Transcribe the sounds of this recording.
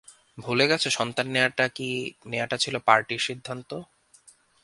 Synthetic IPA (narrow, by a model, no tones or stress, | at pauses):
bʱuleɡɛt͡ɕʰeʃɔnt̪anːeaʈakineaʈat͡ɕʰilopaɾʈiɾʃid̪ʱːant̪o